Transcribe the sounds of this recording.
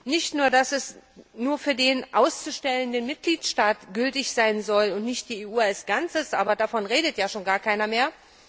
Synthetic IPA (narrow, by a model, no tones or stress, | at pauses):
nɪçtnuːɐdasɛsnuːɐfyːɐdeːnʔaʊst͡suʃtɛləndənmɪt̚ɡ̥liːtʃtaːtɡ̥ʏltɪçz̥aɪnzɔlʊntnɪçt̚d̥iːeːʔuːalsɡ̥ant͡səsʔaːbɐdafɔnʁeːdətjaːʃoːnɡaːɐkʰaɪnɐmeːɐ